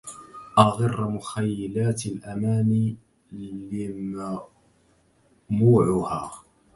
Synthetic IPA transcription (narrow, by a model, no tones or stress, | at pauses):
ʔɑɣɑrˤːmʊxajːɪlaːt̪alʔamaːni | lɪma | muːʕʊhaː